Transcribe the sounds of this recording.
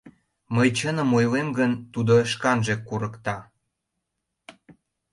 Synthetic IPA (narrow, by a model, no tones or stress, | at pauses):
məjt͡ɕənə̆mojlemɡənt̪ud̪oʃkɑnʒekːuɾəkt̪ɑ